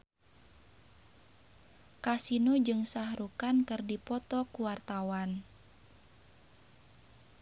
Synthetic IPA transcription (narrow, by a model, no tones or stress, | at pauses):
kasinud͡ʒɨŋsahɾukankɨrdipɔt̪ɔkuwart̪awan